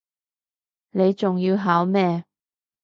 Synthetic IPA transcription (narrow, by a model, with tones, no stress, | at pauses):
ne˨˧jt͡sʊ˨ŋjiː˧wɦaː˨˥wmɛː˧